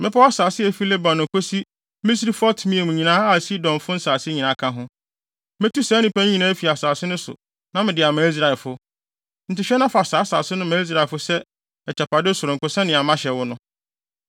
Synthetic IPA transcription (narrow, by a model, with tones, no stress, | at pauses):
mɪ̃˦pʰɔ˦a˦saː˨sɪ˦ɛ˨fi˦le˦bã˨nʊ̃˨kʰo˦si˦ | mi˦sɾi˦fʊ˦a˦tʰu˨mĩ˦e˨mũ˨ɲĩ˨nãː˦a˦˨si˦dɔ̃˨mfʊ˦n̩˦saː˨sɪ˦ɲĩ˨nã˨˦kʰã˦ɦʊ̃˦ | mɪ̃˦tu˦sɛː˦nɪ̃˨pæ˦ɲ̃˦ɲĩ˨nãː˦fi˨a˨saː˨sɪ˦nʊ̃˦sʊ̰˨ | nã˦mɪ̃˨dɪ˨a˨mã˨˦i˦s̬ɾa˨ɛ˨lfʊ˦ | n̩˨tɪ˨ɕᶣɛ˦nã˦fa˨saː˨˦saː˨sɪ˦nʊ̃˦mã˨˦i˦s̬ɾa˨ɛ˨fʊ˦sɛ˦ | ɛ˨t͡ɕʰɛ˨pʰa˨dɪ˦sʊ˨ɾʊ̃˨ŋ̩˨kʊ˨sɛ̃˦nɪ̃˨a˨mã˦ɕɛ˨wʊ˦nʊ̃˦